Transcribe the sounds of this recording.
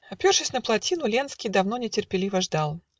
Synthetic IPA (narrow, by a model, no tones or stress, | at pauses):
ɐpʲorʂɨsʲnəplˠɐtʲinʊlʲenskʲɪjd̪ɐvnonʲɪtʲɪrpʲɪlʲivəʐd̪alˠ